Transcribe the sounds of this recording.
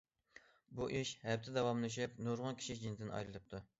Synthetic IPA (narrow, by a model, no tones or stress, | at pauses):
buʔiʃhɛp̚t̪ʰɪd̪ɛwɑmlˠɨʃ̬ɛp̚noɾʁʊnkʲi̥ʃid͡ʒind̪ɨnɑ̰jlɨlɨp̚t̪ʰu